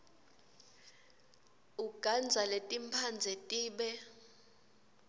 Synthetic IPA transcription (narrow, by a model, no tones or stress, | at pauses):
uɡ̥ʱand͡zʱaletʼimpʰand͡zʱɛtʼiːɓɛ